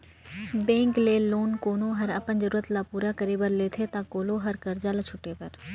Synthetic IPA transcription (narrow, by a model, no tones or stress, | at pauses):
bẽːŋkleːloːnkoːnoɦɐɾɐpənzəɾuːɾət̪laːpuːɾakəɾeːbəɾleːt̪ʰet̪ãːkoːloɦɐɾkɐɾd͡ʒaːlat͡ʃʰʊʈːeːpɐɾ